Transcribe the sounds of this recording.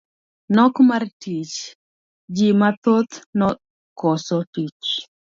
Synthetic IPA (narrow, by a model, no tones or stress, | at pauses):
nɔkmartit͡ʃ | d͡ʒimat̪ot̪nɔ | kɔsɔtit͡ʃ